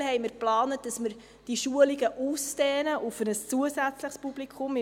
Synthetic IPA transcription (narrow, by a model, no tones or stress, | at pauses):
hɛjməɾplɑːnət̚d̥ɑsməɾ | d̥iʃuəliɡəʔusdɛːnəʔufənəst͡suəsæt͡sləχspublikʰχʊmɪ